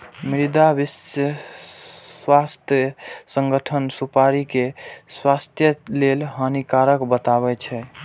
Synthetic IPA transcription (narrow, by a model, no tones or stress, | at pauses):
mɾid̪abisjə | swast̪ʰjəsə̃ŋɡəʈʰənsupaɾikeswast̪ʰjəlelɦənikaɾəkbət̪aβɛt͡ʃʰɛ